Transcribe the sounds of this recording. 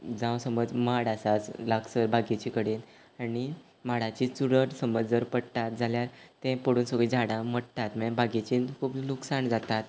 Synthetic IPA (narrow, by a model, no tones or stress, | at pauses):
d͡zãwsəməd͡zmaɽasat͡slaksəɾbʱaɡet͡ɕikəɽen | aɽi | maɽat͡ɕit͡suɾəʈsəməd͡zd͡zəɾpəɽt̪at̪̚d͡zʱaljaɾt̪ɛ̃pəɽuːnsəɡɭid͡ʑʱaɽãməɽt̪at̪mbʱaɡet͡ɕinkʰuːbnuksaɳd͡zat̪at̪